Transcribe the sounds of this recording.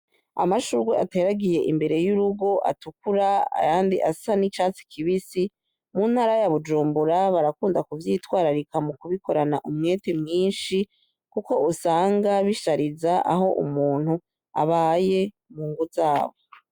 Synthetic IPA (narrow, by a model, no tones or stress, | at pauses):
a̰maʃuɾɡweʔate̞ːɾaɡije̞ʔimbe̞ɾe̞juɾuɡo̞ʔa̰tukuɾaa̰jaːndiʔasanit͡ʃaːt͡si̥kʰiβisi | mun̥haɾajaβud͡ʒuːmbuɾaβaɾakuːndakuvjiːtwaːɾaɾikamukuβikʰo̞ɾanaʔumŋe̞ːtemŋiːnʃi | kuko̞usaːŋɡaβiʃaɾizaʔa̰ɦo̞ʔṵmuːn̥hu | a̰βaːje̞ | muŋɡuzaːβo